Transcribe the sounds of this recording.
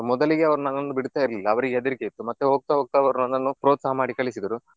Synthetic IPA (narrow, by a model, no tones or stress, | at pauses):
mɔd̪ɐliɡe̞ɐʋɐɾunɐnonːd̪ubiɽt̪aːjiɾɐlilːɐːʋɐɾiɡeɛɐd̪ɐɾikejit̪ːumɐt̪ːuɦoːɡ̚t̪aɦoːɡ̚t̪aːɐʋɐɾnɐnːɐnːupɾo̞ːd̪saːmaːɽikɐɭisid̪ɐɾu